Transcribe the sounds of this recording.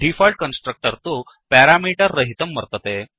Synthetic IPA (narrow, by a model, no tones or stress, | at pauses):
ɖifalʈ̚kənsʈɾək̚ʈəɾt̪o | pɛɾamiʈəɾːəɦit̪əmːəɾt̪ət̪e